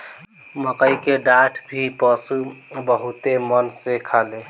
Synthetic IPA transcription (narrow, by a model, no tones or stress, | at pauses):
məkəjkeɖaʈʰbʱipəsubəɦut̪emənsekʰale